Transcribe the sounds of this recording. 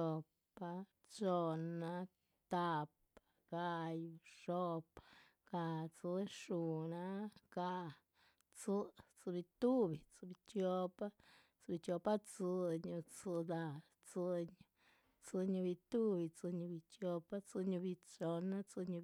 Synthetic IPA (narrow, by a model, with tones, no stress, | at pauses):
o˧pa˧ | t͡ʃo˧na˧ | t̪a˧p | ɡ̥a˧ju˧ʂo˧pa | ɡ̥a˧t͡sɨ˧˦ʂu˧na˦ɡ̥a˧ | t͡sɨ˦˧t͡sɨ˧bi˧t̪u˦bi˨˧t͡sɨ˧bi˧t͡ʃo˧pa˦ | t͡sɨ˧bi˧t͡ʃo˧pa˦t͡sɨ˧ɲu˧t͡sɨ˧d̪a˧ | t͡sɨ˧ɲ˧ | t͡sɨ˧ɲu˧bi˧t̪u˦bi˧t͡sɨ˧ɲu˧bi˧t͡ʃjo˧pa˦t͡sɨ˧ɲu˧bi˧t͡ʃo˧na˦t͡sɨ˧ɲu˧